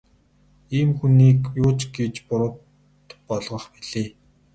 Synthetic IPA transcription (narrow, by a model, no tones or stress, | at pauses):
iːmxuniːkjʊːt͡ɕɡet͡ɕpʊɾə̆ | t̪pɔɮʁɞ̆χpiɮ̥eː